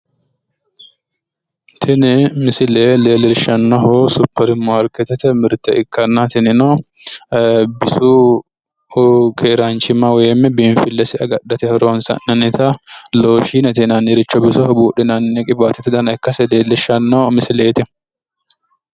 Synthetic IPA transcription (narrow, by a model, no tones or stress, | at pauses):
t̪ʰɪnɪmɪsɪleːleːlɪɾʃɐnːɔɦosʊpːɐɾɪmːɔɐɾkɛt̪ːɛt̪ɛmɪɾt̪ːɛʔɪkːɐnːat̪ɪnɪno | bɪsuː | kʰeːɾaːnt͡ʃɪmɐwɛɛmːɛbɪnfɪlːɛsɪɐɡɐɗːɐt̪ɛhɛɾoːnsɐ̰nːɐnɪt̪ɐloːʃiːnɛt̪inɐnɛɾɪt͡ʃːɔbɪsɔɔbuːɗɪnɐnnɛkʼɪbaːt̪ːɛt̪ɛd̪ɐnɐɪkːɐsɛd̪eːlɪʃɐnːoːmɪsɪleːt̪ɪ